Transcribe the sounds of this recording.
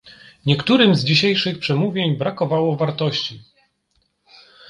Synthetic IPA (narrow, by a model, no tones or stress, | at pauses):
ɲɛkt̪uɾɘmzd͡ʑiɕejʂɘxpʂɛmuvʲjeɲbɾakɔvawɔvaɾt̪ɔɕt͡ɕi